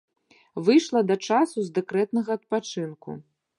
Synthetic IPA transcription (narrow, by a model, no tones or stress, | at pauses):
vɨjʂlˠɐd̪ɐt͡ʂasuzd̪ɛkɾɛt̪nɐɣɐːt̪̚pat͡ʂɨnkṵ